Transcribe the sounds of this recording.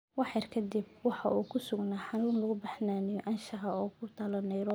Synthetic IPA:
wɑħjɐrkʰɐd̪ib̚wɑħɑʔuːkʰʊsʊɡnaːħɑnuːnlɐɣʊbɐħnaːnɪjɔʔɐnʃɐɦɐɔːkʰʊt̪ʰɐlɐnɛjɾɔ

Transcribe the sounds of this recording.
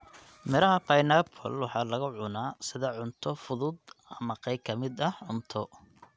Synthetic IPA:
mɛɾɐɦɐpʰajnapʰɔ̰lwɑħɑːlɐɣʊʕʊnaːsɪðɐʕʊnt̪ʰɔfʊðʊd̪ɐmɐqɑj̚kʰɐmɪd̪ɐhʕʊnt̪ʰɔ

